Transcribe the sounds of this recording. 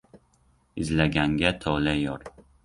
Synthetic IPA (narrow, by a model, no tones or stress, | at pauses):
ɪzlaɡʲaŋɡʲat̪ʰɒlajɒɾ